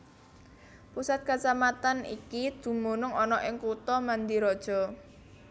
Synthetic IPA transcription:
pusat̪̚kat͡ʃamat̪anḭkid̪̥ṳmonʊŋɔnɔʔɪŋkut̪ɔmand̪iɾɔd̥ʒ̥ɔ̤

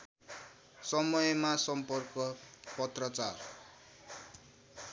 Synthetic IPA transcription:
sʌmʌjʌmasʌmpʌrkʌpʌt̪rʌt͡sar

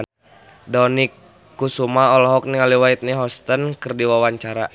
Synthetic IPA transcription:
dɔnikː | usumaɔlɔɦɔk̚niŋaliwait̪̚niɦɔst̪ənkɨrdiwawaɲt͡ʃaɾa

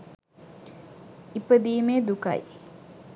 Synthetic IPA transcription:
ipəd̪iːmeːd̪uka̰j

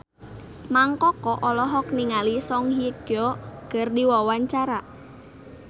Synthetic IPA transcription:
maŋkɔkɔʔɔlɔɦɔk̚niŋalisɔŋhiɡ̥ɔɡ̥ərdiwɔwaɲt͡ʃaɾaʔ

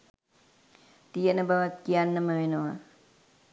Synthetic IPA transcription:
t̪ijənəbaʋat̪̚kijanːəməʋenoʋa

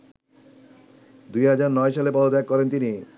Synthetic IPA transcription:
d̪ujɦad͡ʑaɾnɔeʃalepɔd̪od̪aekːɔɾent̪ini

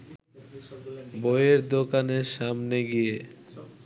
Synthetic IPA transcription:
bojeɾd̪okaneʃamneɡije

